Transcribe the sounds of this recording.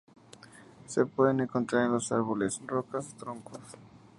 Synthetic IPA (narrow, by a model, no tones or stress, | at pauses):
se̞pwe̞ðenẽŋkont̪ɾaɾenlo̞saɾβole̞srokast̪ɾoŋkos